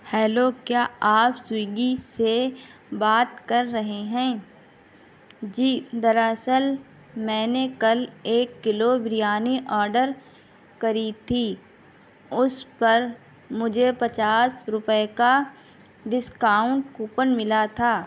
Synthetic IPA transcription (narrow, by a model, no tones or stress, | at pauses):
hɛːloːkjaːaːpswiːɡisebaːt̪kɐɾːɐɦeɦɛ̃ː | d͡ʒiːd̪əɾəsəl | mɛ̃ːnekɐleːkːɪlobɾɪjaːniʔɔːɾɖəɾ | kɐɾit̪ʰiː | ʊspəɾ | mʊd͡ʒʱepɐt͡ʃaːsɾʊpeka | ɖɪskaːʊ̃ɳʈ̚kuːpənmɪlat̪ʰaː